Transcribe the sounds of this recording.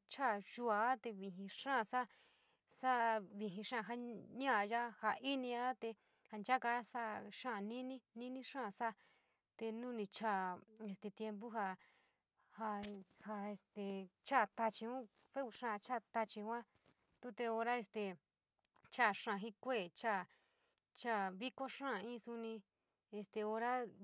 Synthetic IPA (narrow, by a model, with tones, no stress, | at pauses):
t͡ʃʰa˦˨ʒu˧a˧˦t̪e˧βi˧ɦĩ˧ʂã˦˧sa˦ | sa˦βi˧ɦĩ˧ʂã˦˧ɦa˦ɲã˦˧ja˦ha˧i˦nĩ˧a˦t̪e˧ | ha˧nd͡ʒa˦ka˧˦sa˦ʂã˦˨nĩ˦nĩ˦nĩ˦nĩ˦ʂã˦˨sa˦ | t̪e˧nũ˦nĩ˧t͡ʃa˦˧˨e˧st̪e˧t̪je˧mp̬u˦ɦa˧ | ha˧ha˧e˧st̪e˨t͡ʃa˦˨t̪a˧t͡ʃi˧ũ˦ | fe˦u˧ʂã˦˧˨t͡ʃa˦˨t̪a˧t͡ʃi˧˦ã˦ | t̪u˦t̪e˧o˧ɾa˦e˧st̪e˨ | t͡ʃa˦˨ʂã˧˨ɦĩ˦kʷe˦˨t͡ʃa˦˨ | t͡ʃa˦˧˨βi˦ko˦ʂã˦˨ĩ˦˧su˧nĩ˧ | e˧st̪e˧o˧ɾa˦